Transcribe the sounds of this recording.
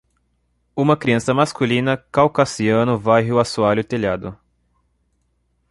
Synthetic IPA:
ũmɐkɾiɐ̃sɐmaskulĩnɐkawkasiɐ̃nʊvajɦɪʊasualʊt̪eʎad̪ʊ

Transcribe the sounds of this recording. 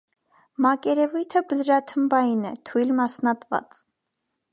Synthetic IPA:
mɑkɛɾɛvujt̪ʰəbəlɾɑt̪ʰəmbɑjinɛt̪ʰujlmɑsnɑt̪vɑ̰t͡s

